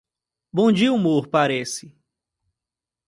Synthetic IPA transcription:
bõd͡ʒiumoɾpaɾɛsɪ

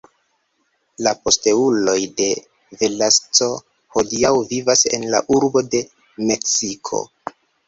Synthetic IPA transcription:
lapo̞ste̞ulo̞jde̞ | ve̞last͡so̞ | ho̞diawvivase̞̰nla̰ʔuɾbo̞de̞ | me̞ksikʰo̞̰

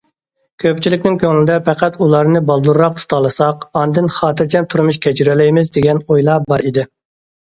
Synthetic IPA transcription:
kʲʰøp̚t͡ʃʰilɪkʲnɪŋkʲʰøŋlɪd̪ɛpɛqæt̪ulˠɑɾnɨbɑlˠd̪uɾːɑq̚t̪ʰu̥t̪ʰɑlˠɨsɑqɑnd̪ɨnχɑːt̪ʰɨɾt͡ʃʰɛmt̪ʰuɾmuʃkʲʰɛt͡ʃyɾɛlɛjmɪzd̪eɡʲɛnojlˠɑːbɑɾid̪ɪ

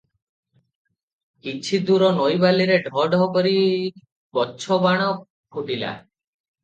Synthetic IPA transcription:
kit͡ʃʰid̪uɾɔnɔjbaliɾeɖʱɔɖʱɔɦɔkɔɾi | bɔtːt͡ʃʰɔbaɽ̃ɔ | kʰuʈila̰

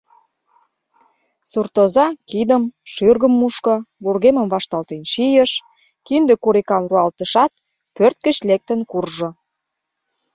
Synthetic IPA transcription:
surt̪ozɑkid̪əmʃyrɣəmːuʃkə̆βurɣemə̆mβɑʃt̪ɑlt̪enʃijəʃ | kind̪ekuɾikɑmruɑlt̪ə̆ʃɑt̪̚ | pørt̪̚kə̆t͡ɕlek̚t̪ənkurʒo

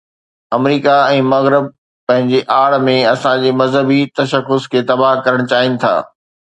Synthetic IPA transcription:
ɐmɾiːkaɛ̃ːmɐɣɾɪb̚ | pɐ̃ɦɪ̃ɲd͡ʑeʔaːɽmẽɐsãd͡ʑeːmɐzɦəbit̪ɐʃəxʊskʰeːt̪ɐbaɦkɐɾəɽ̃̆t͡ɕaːɦɪnɪ̆t̪ʰa̰ː

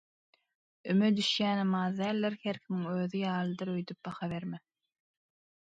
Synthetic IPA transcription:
ymød̪yʃjæːnemɑːðd̪æːlʲːeɾheɾkʰimiŋøːðijɑːlˠɯd̪ɯɾøjd̪yp̚bɑxɑβe̞ɾme

